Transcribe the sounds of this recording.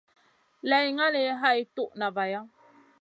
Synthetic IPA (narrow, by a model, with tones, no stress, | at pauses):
lɛ˨jŋa˦le˨˦ɦa˦i˦tu˦ʔna˨va˨ja˦